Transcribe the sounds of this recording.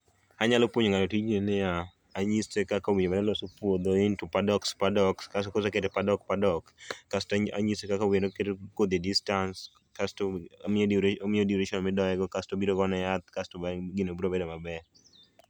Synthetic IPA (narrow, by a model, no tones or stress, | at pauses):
aɲalopwoɲoŋaotit͡ʃninɪjaː | ɲistekakawiɲomanɛlɔsopwod̪oɪntupadɔkspadɔkskas̬okosakedepadɔk̚padɔkːasta̰ɲistekakawinokedkod̪idistans | kasto | mɪodiɾeʃɔnmɪdɔɛɡɔkastobiɾoɡɔnɛjat̪̚kastoaɡɪnobuɾobedomabɛ